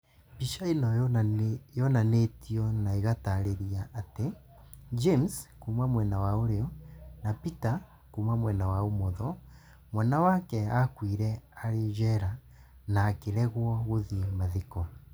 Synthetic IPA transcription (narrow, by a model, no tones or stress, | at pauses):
piʃainɔ | jɔnanetiɔnaeɣataɾeɾiaʔːte | d͡ʒemskuːmamwɛnawaoɾeɔnapita | kuːmamwɛnawaomɔðɔ | mwɛnawakɛakwiɾɛaɾeʒɛɾa | naːkeɾɛɣwɔɣoðimaðekɔ